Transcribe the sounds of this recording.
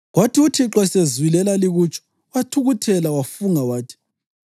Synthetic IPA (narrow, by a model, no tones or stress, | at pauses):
ɣwatʰiutʰiǁɔsezwilɛlaliɣut͡ʃʼɔ̥ | watʰuɣutʰɛlawafuŋawaːtʰi̥